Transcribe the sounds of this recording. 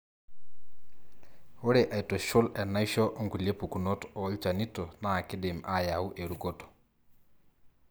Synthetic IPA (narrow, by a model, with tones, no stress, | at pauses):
wʊ˦ɾe˨ʔa˨ji˨to˨ʃʊ˦lɛ˨na˦jʃɔ˦ʔɔ˦ŋku˨le˦pu˨ku˨no˦tɔ˨˦lt͡ʃa˨ni˦to˨na˦˨kɪ˦dɪ˨ma˦ja˨ʊ˦ʔe˨ɾu˨ko˦tɔ̥˨